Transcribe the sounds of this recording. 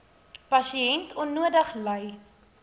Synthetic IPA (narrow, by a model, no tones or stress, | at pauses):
pɐsiɛntʰɔnːuədəχləj